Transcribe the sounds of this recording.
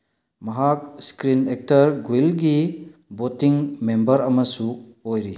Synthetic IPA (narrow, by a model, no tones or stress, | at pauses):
mɐɦak̚skɾinek̚tɐɾɡilɡibotiŋmembɐɾɐmɐsuojɾi